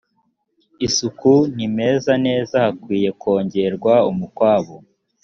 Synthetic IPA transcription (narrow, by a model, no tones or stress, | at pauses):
isukunime̞ːzane̞ːzahakwiːje̞kʰo̞ːɲɟe̞ɾɡwaumukwaːβo